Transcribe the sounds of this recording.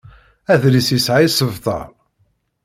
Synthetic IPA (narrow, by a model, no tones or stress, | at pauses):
æðɾisisʕajsəvt̪ˤɑ̰ɾˤ